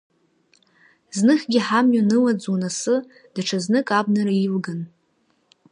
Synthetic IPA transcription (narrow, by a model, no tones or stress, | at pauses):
znɨχʲɡʲiħamjanɨlad͡zunasɨ | d̥aʈ͡ʂʰaznɨkʼabnɨɾailɡan